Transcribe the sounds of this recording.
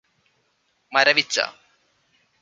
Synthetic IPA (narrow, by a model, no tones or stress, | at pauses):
mɐɾɐʋit͡ɕːa̰